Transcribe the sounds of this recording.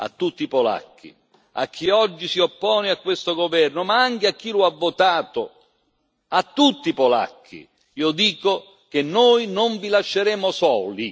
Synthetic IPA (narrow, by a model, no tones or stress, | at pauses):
a̰t̪ːut̪ːipɔla̰kʰːḭ | a̰k̟ːiɔd͡ʒːisiopːɔːneakːwest̪oɡovɛrnʊmaaŋkɪakːilʊavːot̪aːt̪ʊ | at̪ːut̪ːipola̰kʰːḭ | iːod̪iːko | kenːoːjnoɱvilaʃːeɾɛːmʊsɔːli